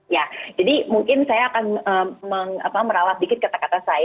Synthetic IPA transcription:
jad͡ʒadimuŋkɪnsajaːkanəːməŋa̰paməɾalah̚bikɪt̪̚kat̪akat̪asaj

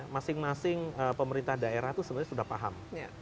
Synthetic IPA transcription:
masɪŋmasɪŋəpəməɾint̪ahdaeɾaht̪usənirɲasudahpaɦam

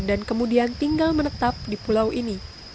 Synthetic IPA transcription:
dankəmudiant̪iŋɡalmənət̪ap̚dipulawʔini

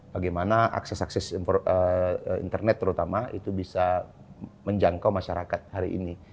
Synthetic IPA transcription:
baɡajmanaʔa̰ksɛsaksɛsɔəḭnt̪ərnɛt̪ːəɾut̪amaḭt̪ubisa | məɲd͡ʒaŋkawmaʃaɾakat̪̚haɾiʔḭni

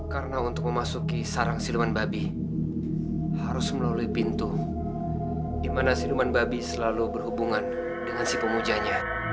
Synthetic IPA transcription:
kaɾənaunt̪ʊk̚məmasukisaɾaŋsilumanbabi | haɾʊsməlaluipint̪u | dimanasilumanbabisəlalubərhubuŋan | dəŋansipəmud͡ʒaɲa

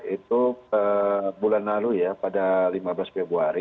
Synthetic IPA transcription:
it̪uəbulanlalujapadalimablasfɛbɾuaɾi

